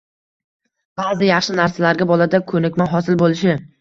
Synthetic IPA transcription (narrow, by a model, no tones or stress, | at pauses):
b̥aːzɪjɑχʃɪnaɾsalaɾɡʲabɒlad̪akʰɵnɪkʲmaɦɒsɪlbolɪʃɪ